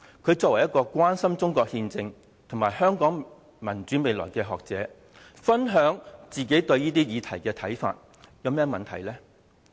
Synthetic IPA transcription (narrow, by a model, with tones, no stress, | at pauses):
kʰɵ˨˧ɥt͡sɔː˧k̚wɐ˨˩jɐ˥kːɔː˧kʷwaː˥nsɐ˥mt͡sʊ˥ŋkɔː˧k̚hiː˧nt͡sɪ˧ŋ | t̪ʰʊ˨˩ŋmaː˨˩jhœː˥ŋkɔː˨˥ŋ | mɐ˨˩nt͡ʃyː˨˥me˨˧jlɔː˨˩jkɛː˧ɦɔː˨k̚t͡sɛː˨˥ | fɐ˥nɦœː˨˥ŋt͡siː˨ke˨˥jt̪ɵ˧ɥjiː˥t̪iː˥jiː˨˧t̪ʰɐ˨˩jkɛː˧t̪ʰɐ˨˥jfa̰ː˧t̚ | jɐ˨˧wmɛː˥mɐ˨nt̪ʰɐ̰˨˩jlɛː˥